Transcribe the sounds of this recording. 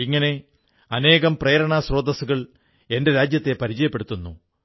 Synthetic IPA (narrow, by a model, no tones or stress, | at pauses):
iŋːɐne̞ | ɐne̞ːɣɐmpreːɾɐɳaːsro̞ːd̪ɐsuɣɐɭ | e̞nde̞ɾaːd͡ʑjɐt̪ːe̞pɐɾid͡ʑɐjɐpːeɽut̪ːunːṵ